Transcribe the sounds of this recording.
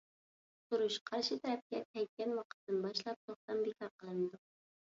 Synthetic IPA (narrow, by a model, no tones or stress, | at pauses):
t̪ʊɾʊʃqʰɑɾʃɪt̪ʰæɾæf̚kʲɛɛjt̪̚kʲænwɑqə̥t̪ːɨnbɑʃlˠɑp̚t̪ʰoχt̪ɑmbekʲʰɑɾqəlˠɨnd̪ʊq̚